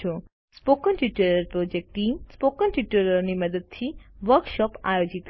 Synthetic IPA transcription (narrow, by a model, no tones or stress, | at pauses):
o | spokənʈiʈeɾəɾpɾod͡ʒek̚ʈimspokənʈiʈeɾəɾniməd̪əd̪̚t̪ʰiʋəɾkʃɔpa̰jod͡ʒit̪